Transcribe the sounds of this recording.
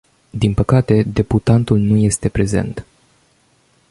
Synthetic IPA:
d̪inpəkat̪e̞d̪e̞put̪ant̪ulnuje̞st̪e̞pɾe̞ze̞̰nt̪

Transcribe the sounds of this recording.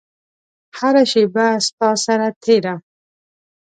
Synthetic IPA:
haɾaʃebast̪ɑsaɾat̪ʰeɾa

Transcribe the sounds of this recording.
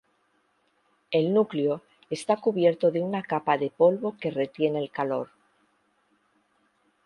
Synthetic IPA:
e̞lnukleo̞ | est̪akuβje̞ɾt̪o̞ðeunakapaðe̞po̞lβo̞ke̞re̞t̪je̞ne̞lkalo̞ɾ

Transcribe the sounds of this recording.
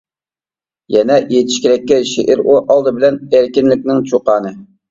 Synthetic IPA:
jɛnɛʔijet̪ʰɪ̥ʃkʲeɾɛkʲːɛʃeʔɪɾuʔɑlˠd̪ɨbɪlɛneɾkʲinlɪkʲnɪŋt͡ʃʰoqɑːnɨ

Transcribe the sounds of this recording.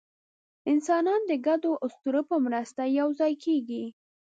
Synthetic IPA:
ɪnsɑnɑnd̪əɡad̪oʔʊst̪uɾəpəmɾəst̪ajawzɑjkʰeɡi

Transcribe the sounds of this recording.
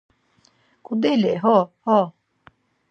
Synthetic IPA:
kʰud̪elɛɦɔhɔ

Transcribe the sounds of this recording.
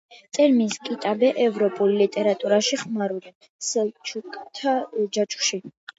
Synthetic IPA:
t̪sʼɛɾmiskʼit̪ʼabɛʔɛvɾɔpʼulilit̪ʼɛɾat̪ʼuɾaʃiχmaɾulin | sɛlt͡ʃʰukʼt̪ʰad͡ʒat͡ʃʰʼu̥ʃi

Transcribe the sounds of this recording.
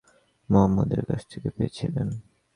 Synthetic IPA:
moɦamːud̪eɾkat͡ɕʰt̪ʰikepeet͡ɕʰilen

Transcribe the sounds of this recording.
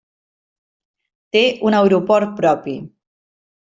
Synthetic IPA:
t̪eunawɾupɔɾt̪̚pɾɔpi

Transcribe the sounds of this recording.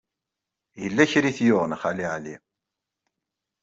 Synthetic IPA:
jəlːæçɾiθjʊʁnəχaliʕli

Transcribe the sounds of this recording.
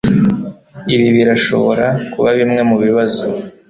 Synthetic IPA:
iβiβiɾaʃo̞̰βo̞̰ɾakuβaβimŋe̞muβiβazo

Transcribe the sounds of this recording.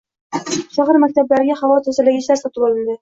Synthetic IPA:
ʃʰɑʁəɾmakʲt̪ablaɾɪɡʲaχavɒt̪ʰɵzalaɡʲɪʃaɾsat̪ɪbɒlˠɪnd̪ɪ

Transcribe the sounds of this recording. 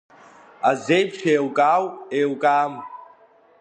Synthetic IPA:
azejpʰʈ͡ʂʰeːwkʼaːwewkʼaːm

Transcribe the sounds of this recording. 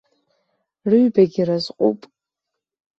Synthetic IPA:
rɨɥbaɡʲirazqʷʼṵpʼ

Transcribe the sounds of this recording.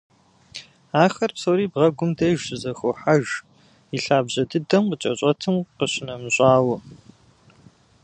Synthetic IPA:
aːxɐrpsowɾiːbʁɐɡʷʊmdɐjʒɕɨzɐxoħaʒ | iɬaːbʑɐdɨdɐmqət͡ʃʼɐɕʼɐtʰɨmqəɕɪnɐmɕʷʼɑːwʊ

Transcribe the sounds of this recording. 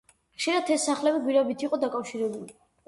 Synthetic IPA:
χʃiɾat̪ʰɛsːaχlɛbiɡwiɾabit̪ʰiqʼɔd̪akʼafʃiɾɛbuli

